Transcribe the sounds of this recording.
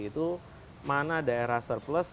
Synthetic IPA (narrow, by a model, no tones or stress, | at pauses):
it̪u | manadaeɾahsərpləs